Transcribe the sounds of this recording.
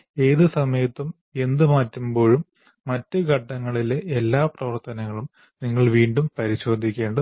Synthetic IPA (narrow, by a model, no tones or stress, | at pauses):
e̞ːðɨsɐmɐjɐt̪ːum | e̞nd̪ɨmaːtːumbo̞ːɻumː | ɐtːɨɡʱɐɖːɐŋːɐɭileʔelːaːprɐʋɐrt̪ɐnɐŋːɐɭum | niŋːɐɭʋiːɳɖumpɐɾiɕo̞ːd̪ʱːikʲːe̞ːɳɖɨ